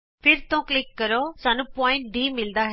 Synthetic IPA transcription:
pʰɪɾt̪õːklɪkːəɾosaːnũːpɔ̃ːɪ̃ɳʈ̚ɖiːmɪld̪aːɦ

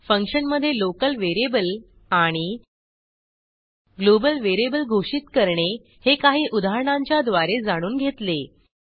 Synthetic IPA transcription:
fə̃ŋkʂənməd̪ʱːjelokəlʋeɾebəl | aɽ̃i | ɡlobəlʋeɾebəlɡʱoʂit̪kəɾɳe | hekaɦiːʔud̪ʱaɾəɳãɲt͡ɕjad̪ʋaɾed͡zaɽ̃uːnɡʱet̪le

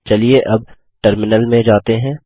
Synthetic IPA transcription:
t͡ʃɐlieʔɐb̚ | ʈəɾmɪnəlmẽd͡ʒaːt̪eɦɛ̃ː

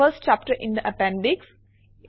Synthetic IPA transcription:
əsʈ̚t͡ʃæːp̚ʈəɾʔɪ̃nd̪əʔəpɛ̃nɖɪks

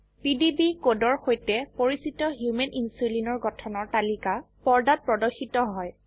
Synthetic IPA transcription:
pidibikodɔɹxojtɛpoɹisitɔɦjumɛnʔinsulinɔɹɡɔtʰɔnɔɹtalika | pɔɹdat̚pɹɔdɔxitɔɦɔj

